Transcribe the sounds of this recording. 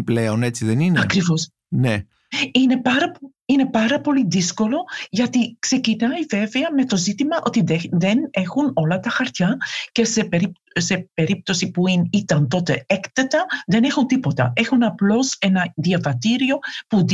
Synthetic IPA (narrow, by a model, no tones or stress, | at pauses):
pleone̞t͡siðeninɐkɾivo̞s | ne | ine̞pɐɾɐp | ine̞pɐɾɐpo̞liðisko̞lo̞ʝɐt̪ikse̞cinɐive̞veɐme̞t̪o̞zit̪imɐʔo̞t̪iðeðene̞xuno̞lɐt̪ɐxɐɾt̪çɐce̞sepeɾip | se̞pe̞ɾip̚t̪o̞sipuinit̪ɐnt̪o̞t̪e̞ekt̪et̪ɐðe̞nexunt̪ipo̞t̪ɐ̰e̞xunɐplo̞se̞nɐðiɐvɐt̪iɾio̞pu